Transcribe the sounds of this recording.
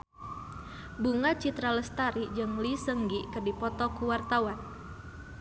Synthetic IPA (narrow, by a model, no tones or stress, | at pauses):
buŋat͡ʃit̪ɾaləst̪aɾid͡ʒɨŋlisəŋɡikərdipɔt̪ɔkuwart̪awan